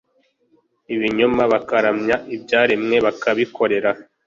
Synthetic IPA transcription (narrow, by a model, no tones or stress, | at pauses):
iβiɲomaβakaɾamɲaʔibɟaːɾimŋe̞βakaβiko̞ɾe̞ɾa